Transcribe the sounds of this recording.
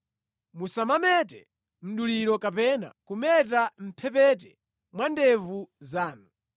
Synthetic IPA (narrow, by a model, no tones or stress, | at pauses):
musamamɛtɛ | m̩ɗuliɾɔkapɛna̰kumɛt̬am̩pʰɛpɛt̬ɛ | mwandɛvuzaːnu